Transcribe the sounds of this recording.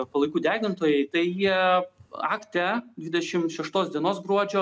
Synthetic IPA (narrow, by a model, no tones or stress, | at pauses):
pɐlˠɐɪkuːd̪ʲæːɡʲɪnt̪oːjɛɪt̪ɐɪjiɛ | ɑ̰ːkt̪ʲɛd̪ʲʋʲiɪd̪ʲɛʃʲɪmʃʲɛʃt̪oːsd̪ʲiɛnoːsɡɾuɔd͡ʒʲoː